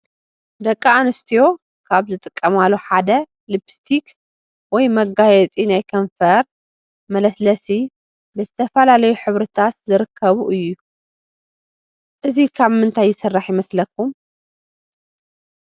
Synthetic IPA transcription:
d̪ɐkʼːɐanɨst̪ʰijo̞ | kʰaβzɨt̪ʼɨkʼːɐmalːoħad̪ɐ | lɨbst̪ʰik | wɔjmɐɡajɛt͡sʼinajkʰɐɱfɐɾ | mɐlɐslɐsi | bɨzɨt̪ʰɐfɐlalɐjuħɨβɾɨt̪ʰat̪zɨɾɨkʰːɐβuʔɨjːu | ʔɨzikʰaβmɨnt̪ʰajːɪsɨrːaħjɪmɐslɐkːum

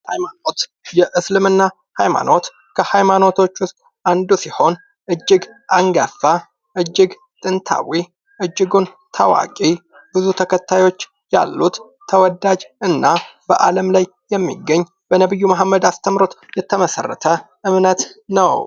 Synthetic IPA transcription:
hajmanot̪ | jɛʔɨslɨmɨnːa | hajma̰no̞t̪ | kʰəhajmano̞t̪ʰo̞t͡ʃːwʊsk̪ʼ | and̪usiho̞n | ʔɨd͡ʒːɪɡʔaŋɡafːa | ʔɨd͡ʒːɨɡ | t̪ʼɨnt̪ʰa̰wi | ʔɨd͡ʒːɨɡun | t̪ʰawa̰kʼi | bɨzut̪ʰəkʰət̪ːajo̞t͡ʃː | ja̰lːut̪ʰː | əwɔd̪ad͡ʒɨnːab̥əʔaləmlaj | jɛmːḭɡːəɲː | b̥ənəβɨjːumaɦmːəd̪ast̪ʰəmɾo̞t̪jɛt̪ʰəməsə̰rːə̰t̪ʰə | ʔɨmnət̪nəw

